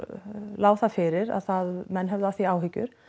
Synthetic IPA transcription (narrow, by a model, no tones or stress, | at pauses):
laːwθafɪɾɪɾa̰ðθaðmɛnːɦɛvðaθiaːwɦʏcːʏ̰ɾ̥